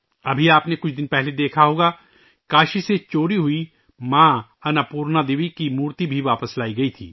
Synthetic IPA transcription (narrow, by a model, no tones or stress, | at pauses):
ɐbʱiaːpnekʊt͡ʃʰd̪ɪnpɛɦled̪eːkʰaɦoːɡa | kaːʃiset͡ʃoːɾiɦʊi | mãːɐnaːpuːɾnad̪eːʋikimuːɾt̪ibʱiʋaːpəslaːiɡɐit̪ʰḭː